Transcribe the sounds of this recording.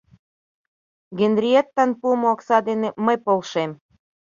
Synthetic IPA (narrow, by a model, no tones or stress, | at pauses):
ɡend̪ɾʲiet̪ːɑnpumooksɑd̪eneməjpolʃem